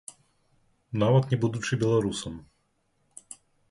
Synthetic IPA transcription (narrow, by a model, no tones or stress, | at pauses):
navɐt̪nʲɛbud̪ʊt͡ʂɨbʲɛlˠɐɾusɐm